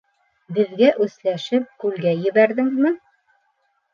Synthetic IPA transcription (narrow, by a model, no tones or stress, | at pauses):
bɘ̆ðɡæʔʉslæʃɘp̚kʉlɡæjɘ̆βæɾðɘŋzmɘ